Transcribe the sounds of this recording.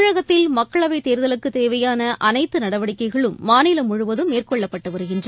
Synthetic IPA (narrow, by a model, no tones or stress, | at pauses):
ɻɐɣɐt̪ːɪlmɐkkːɐɭɐʋɐɪt̪eːɾɯðɐlɯkːɯt̪eːʋɐjaːnɐʔɐnɐɪt̪ːɯnɐɽɐʋɐɽɪkːɐɪɣɐɭɯmːaːnilɐmʊɻʊʋɐðɯmeːrkɔɭːɐpːɐʈːɯʋɐɾɯɣɪndr